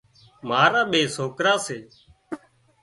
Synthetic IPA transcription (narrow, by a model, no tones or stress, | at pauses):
maːɾaːɓeːsoːkɾaːseː